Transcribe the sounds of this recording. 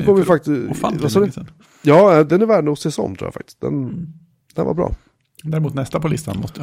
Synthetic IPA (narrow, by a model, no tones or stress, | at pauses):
kɔmːvɪfak̚t̪avasɔːdɛ | jɑːɛd̪ɛnæɾvæːɖnuːsɛsɔ̰ŋt̪ʰɾṵːjafa̰k̚t̪ɪ̥st̪̚d̪ɛ̰n | d̪ɛ̰nva̰ɾbɾɑ̰ː | d̪æɾɪmuːt̪nɛst̪apʰɔlɪst̪a̰nmɔsə